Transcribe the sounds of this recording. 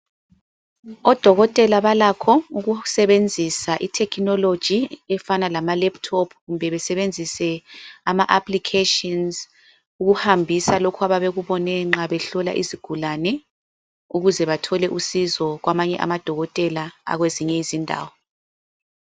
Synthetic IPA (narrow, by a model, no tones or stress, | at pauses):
ɔd̥ʱɔɣɔtʼɛlaβalakʰɔuɣusɛβend͡zʱisaʔitʰɛkʰnɔlod̥ʒ̥ʱiɛfanalamalɛptʰɔpʰɣumbʱɛβɛsɛβend͡zʱisɛamaʔapʰlikʰetɔnz | uɣuhambʱisalokʰaβaβeɣuβɔnɛŋ͡ǁaβɛɬɔla̰ʔḭziɡ̥ʱulanɛ | uɣuzɛβatʰɔlɛʔusizɔɣwamaɲɛ̰ʔa̰mad̥ʱɔɣɔtʼɛlaa̰ɣweziɲɛizindʱa̰ːwɔ